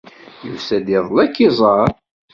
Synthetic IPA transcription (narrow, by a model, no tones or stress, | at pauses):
jusæd̪iðˤlækːizˤɑɾ